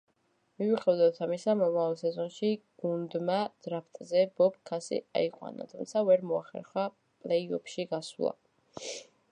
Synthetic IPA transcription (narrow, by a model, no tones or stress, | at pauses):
miviχɛvd̪at̪ʰamisamɔmavalˠsɛzɔnʃiɡ̥und̪mad̪̥ɾapʰt̪ʼzɛbɔpkʰasḭa̰iqʼwa̰na̰t̪ʰumt̪sʰavɛɾmɔa̰χɛ̰ɾχa | pʼlɛiɔpʰʃiɡaslˠa̰